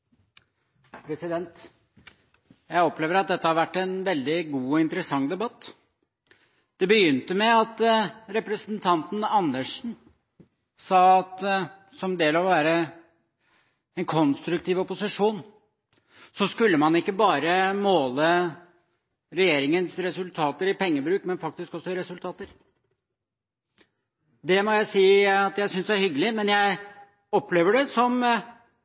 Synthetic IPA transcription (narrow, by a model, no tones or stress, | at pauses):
pʰɾɛsɪd̪ɛnt̪ | jæɪɔpleːʋəɾɑt̪̚d̪ɛt̪ːəhɑɾʋæʈːɛnʋɛld̪ɪɡuːɔɪnt̪əɾəsɑŋd̪ɛbɑt̪ː | d̪̥ɛbəjʏnt̪əmɛɑt̪ɾɛpɾəsnt̪ʰɑnt̪n̩ɑnd̪əʂn̩ | sɑːɑt̪ | sɔmd̪eːlɑʋɔʋæːɾə | ɛnkʰɔnst̪ɾʉk̚t̪ʰiːʋɔpʊsɪʂuːn | sɔskʉlːəmɑnɪkːəbɑːɾəmoːlə | ɾɛjeːɾɪŋənsɾɛsʉlt̪ʰɑːt̪əɾɪpɛŋːəbɾʉːkmɛnfɑk̚t̪ɪskɔsːɔɪɾɛsʉlt̪ʰɑːt̪əɾ | d̪ɛmɔjæɪsiːɑt̪jæɪsʏnsd̪ɛæɾhʏɡːəlɪmɛnjæɪ | ɔpːleːʋəɖɛsɔm